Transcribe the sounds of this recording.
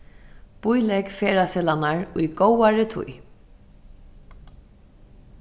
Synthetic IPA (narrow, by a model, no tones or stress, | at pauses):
b̥ʊjlɛkfeːɾasɛlanaɹʊjɡowaɹɪt̪ʰʊ̰j